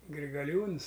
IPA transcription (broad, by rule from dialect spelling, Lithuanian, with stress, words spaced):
ɡrʲɪɡɐˈlʲuːns